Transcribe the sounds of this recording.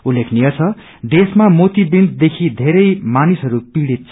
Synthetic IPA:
ulːekʰniʌt͡sʰʌ | ɖ̪esmamot̪ibind̪d̪ekʰid̪ʱeɾʌjmanisɦʌɾupiɽit̪̚t͡sʰ

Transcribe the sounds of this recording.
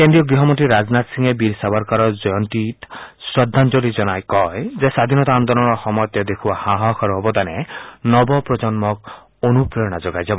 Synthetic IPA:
kend̪ɾijɔɡɾiɦɔmɔnt̪ɾiɾad͡ʒnat̪siŋebiɾsabaɾkaɾɔd͡ʒɔjɔnt̪it̪sɾɔd̪ʱːand͡ʒolid͡ʒɔnajkɔezesad̪ʱinɔt̪aand̪ɔlɔɽ̃ɔxɔmɔjɔt̪jɔd̪ekʰubahaɦɔkʰɔɾɔɦɔbɔt̪anenɔbɔpɾɔd͡ʒɔnmɔk̚ | onupɾejɔɽ̃ad͡ʒoɡajd͡ʒabɔ

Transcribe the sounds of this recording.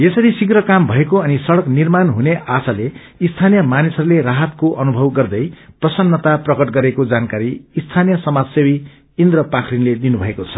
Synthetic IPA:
jesʌɾisiɡɾʌkambʱʌekoʌnisʌɽʌknirmanɦuneʔasale | ist̪ʰanijʌmanisʌɾuleɾaɦʌt̪koʔʌnubʱʌwɡʌrd̪ʌjprʌsʌnːʌt̪aprʌkʌʈɡʌɾekod͡zankaɾiist̪ʰanijʌsʌmad͡zsewi | ind̪ɾʌpakʰrinled̪inubʱʌekot͡sʰʌ̥

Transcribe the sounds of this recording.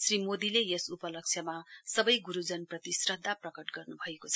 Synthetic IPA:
srimod̪ilejesupʌlʌk̚t͡sʰjʌmasʌbʌjɡuɾud͡zʌnprʌt̪isrʌd̪ʱːaprʌkʌʈɡʌrnubʱʌekot͡sʰ

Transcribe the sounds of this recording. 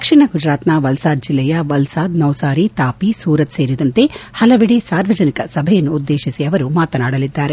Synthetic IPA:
d̪ɐkʂiɳɐɡud͡ʒɾaːt̪nɐʋɐlsaːd̪̚d͡ʒilːɛjɐʋɐlsaːd̪nɐwsaːɾit̪aːpisuːɾɐt̪seːɾid̪ɐnt̪e̞hɐlɐʋiɽesaːɾʋɐd͡ʒɐnikɐsɐbʱɐjɐnːuːd̪ːe̞ːʃisiɐʋɐɾumaːt̪ɐnaːɽɐlid̪ːaːɾe

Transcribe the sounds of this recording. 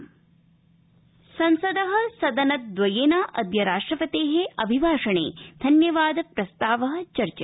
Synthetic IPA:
sɐnsɐd̪ɐɦɐ̆sɐd̪ɐnɐt̪̚d̪ʋɐjeːnaːʔɐd̪jɐɾaːʂʈɾɐpɐt̪eːɦeɐbʱibʱaːʂɐɳḛːd̪ʱɐnjɐʋaːd̪pɾɐst̪aːʋɐɦɐ̆t͡ʃɐɾt͡ʃɐ

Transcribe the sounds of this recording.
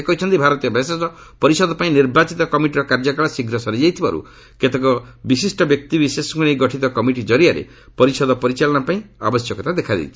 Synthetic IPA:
ekɔit͡ʃʰɔnt̪ibʱaɾɔt̪ijɔbʱesesɔ | pɔɾisɔd̪ɔpaĩniɾbat͡ʃit̪ɔkɔmiʈiɾɔkaɾd͡ʒɔkaɭɔsiɡɾɔsɔɾid͡ʒajt̪ʰiba̰ɾṵ | ket̪ekɔbisisʈɔbjɔk̚t̪ibisesɔŋkunejɡɔʈʰit̪ɔkɔmiʈid͡ʒɔɾiaɾḛ | pɔɾisɔd̪ɔpɔɾit͡ʃalɔɽ̃apaĩa̰bɔsjɔkɔt̪ad̪ekʰad̪ḭlt͡ʃʰi̥

